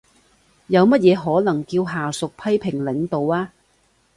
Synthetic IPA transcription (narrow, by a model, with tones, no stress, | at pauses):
jɐ˨˧wmɐ˥t̚jɛː˨˧ɦɔː˨˥lɐ˨˩ŋkiː˧wɦaː˨˩sʊ˨k̚pʰɐ˥jpʰɪ˨˩ŋlɪ˨˥ŋt̪o˨waː˧˥